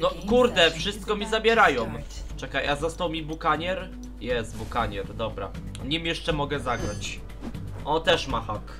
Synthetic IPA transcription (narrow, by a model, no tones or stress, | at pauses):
nɔkuɾd̪ɛfʂɘst̪̚kɔmʲizabʲjɛɾajɔm | t͡ʂɛkajʔazɔst̪awmʲibukaɲɛɾ | jɛst̪̚bukaɲɛɾd̪ɔbɾa̰ | ɲimjɛʂt͡ʂɛmɔɡɛzaɡɾat͡ɕ | ʔɔt̪ɛʂmaxɔk